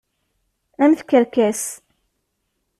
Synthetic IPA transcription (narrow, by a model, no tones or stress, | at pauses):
æmθkːəɾkæs